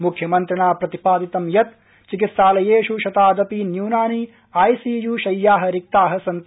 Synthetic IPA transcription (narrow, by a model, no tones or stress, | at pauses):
mukʰjɐmɐnt̪ɾɐɳaːpɾɐt̪ipaːd̪it̪ɐmjɐt̪ | t͡ʃikit̪saːlɐjeːʃuʃɐt̪aːd̪ɐpinjuːnaːni | aːjsiːjuːʃɐjːaːɦɐ̆ɾik̚t̪aːɦɐsɐnt̪